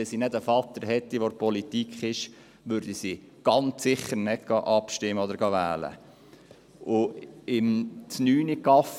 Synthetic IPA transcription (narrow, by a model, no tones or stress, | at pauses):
ɛsinɛdəfɑt̪ːəɾɦɛt̪ːiʋoɾpɔlit̪ikʰχɪʃ | ʋʏɾd̪isi | ɡ̥ɑnt͡sːɪχːəɾnɛtɡ̥ɑʔɑpʃtɪmːəɔd̪əɾɡɑʋæ̰ːlə̰ | ʔʊɪmsnyːnikɑf